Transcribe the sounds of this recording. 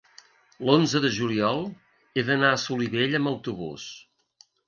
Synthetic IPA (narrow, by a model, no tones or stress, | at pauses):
lonzəðəʒuliɔlˠ | eðənaəsuliβeʎəmbəwt̪uβṵs